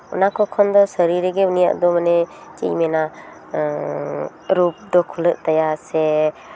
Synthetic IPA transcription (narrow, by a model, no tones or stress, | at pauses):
ɔ̰nakʰɔkʰɔnd̪ɔsəɾiɾeɡɛunija̰ʔd̪ɔmanɛ | t͡ʃḭjmɛna | ɾup̚d̪ɔkʰulɯʔt̪ajaɾsɛ